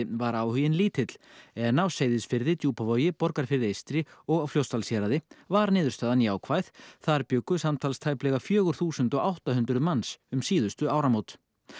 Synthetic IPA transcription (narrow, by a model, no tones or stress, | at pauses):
ɪvaɾaːwhʏjɪnliːt̪ʰɪt̪l̥ɛðnaːwseːjðɪsfɪɾðɪt̪juːpavɔjɪpɔɾkaɾ̥fɪɾðɪejst̪ɾɪɔɣawfljowst̪alsjɛɾaðɪvaɾnɪːðʏɾst̪aːðaniaːwkʰvajðθaɾpjʏːkːʏsamt̪ʰalst̪ʰaːjplɛɣafjœːɣʏɾ̥θuːsʏnt̪ɔɣawht̪ahʏnt̪ɾʏðmansʏmsiːðʏst̪ʏaːwɾamoːwt̪